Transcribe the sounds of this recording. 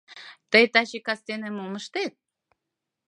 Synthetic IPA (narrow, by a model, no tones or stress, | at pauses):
t̪əjt̪aɕikast̪enemumə̆ʃt̪et̪̚